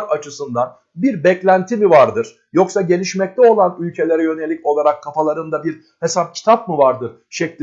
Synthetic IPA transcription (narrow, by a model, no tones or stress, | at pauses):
ɾat͡ʃʰɯsɯnd̪an | biɾbɛclʲænt̪ʰimivaɾd̪ɯɾ̥ | jo̞ksaɟe̞lʲiʃmɛc̚t̪ʰɛo̞lˠanylʲcʰe̞lʲe̞ɾɛjø̞nelʲːico̞lˠaɾakʰːafalˠaɾɯnd̪abiɾ | he̞sap̚cʰi̥t̪ʰap̚mɯvaɾd̪ɯɾ | ʃɛclʲi